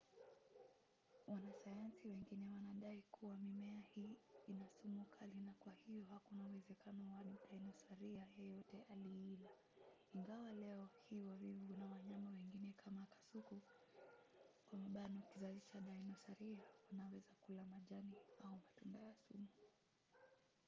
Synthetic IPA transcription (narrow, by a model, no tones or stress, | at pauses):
wanasajansiwɛŋɡinɛwanaɗaikʰuwamimɛahiːnasumukʰalinakwahijɔhakunauwɛzɛkanɔwanɗainɔsaɾiajɛjɔtɛʔaliila | iŋɡawalɛɔhiwavivunawaɲamawɛŋɡinɛkʰamakḁsuku | kwamaɓanɔkizazit͡ʃaɗainɔsaɾiawanawɛzakulamaʄaniaumatumbajasumu